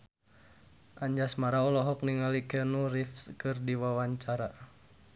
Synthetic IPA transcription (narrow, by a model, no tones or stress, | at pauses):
ʔaɲd͡ʒasmaɾaɔlɔɦɔk̚niŋalikɛnurifskɨrdiwawaɲt͡ʃaɾa